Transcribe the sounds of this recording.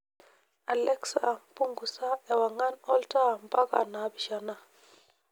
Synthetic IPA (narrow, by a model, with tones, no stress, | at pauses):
a˨lɛ˦ksa̰˨ʔa˨m˨pu˦ŋɡu˨sa˦ɛ˨wa˨ŋa˦nɔ˦lta˦˨m˨pa˦ka̰˨na˨˦bi˨ʃa˨na˦